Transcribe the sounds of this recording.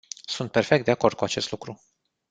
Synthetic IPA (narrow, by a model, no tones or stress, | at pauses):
sunt̪̚perfe̞k̚t̪d̪e̞ako̞rd̪̥̚kuat͡ʃe̞st̪lukɾu